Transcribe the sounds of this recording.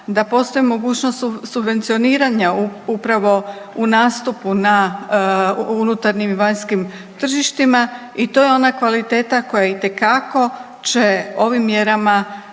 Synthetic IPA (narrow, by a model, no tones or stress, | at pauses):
d̪apo̞st̪o̞jimo̞ɡuːt͡ɕno̞st̪subʋe̞nt̪sio̞niːɾaɲaupɾaʋo̞ | unaːst̪upuna | unut̪aɾɲimiʋaɲskim | t̪r̩ʒiʃt̪ima | it̪o̞jeo̞nakʋalit̪e̞ːt̪ako̞jait̪e̞kako̞ | t͡ɕe̞o̞ʋimːje̞ɾama